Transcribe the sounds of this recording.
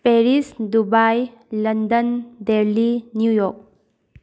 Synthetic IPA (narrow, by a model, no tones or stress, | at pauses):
peɾisdubaj | ləndəndeɾlinjujɔk̚